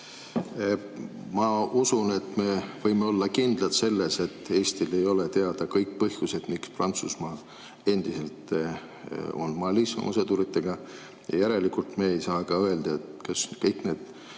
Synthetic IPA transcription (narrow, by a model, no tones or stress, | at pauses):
mɑusune̞t̪ːme̞vɤjmeo̞lːɑkind̪̥lɑt̪se̞lːe̞se̞t̪ːe̞ːst̪ile̞jo̞le̞t̪e̞ɑd̪̥ɑkɤjk̚pɤhjuse̞d̪̥miksprɑnt̪susmɑː | e̞nd̪̥ise̞lt̪ | o̞̰nmɑlisɑ̰mʔɑ̰sed̪uɾit̪ːˑe̞ɡ̥ɑ | jɑ̰jæɾe̞likult̪me̞ːejsɑːɡɑøeld̪̥ɑet̪kɑskɤjkne̞ːd̪̥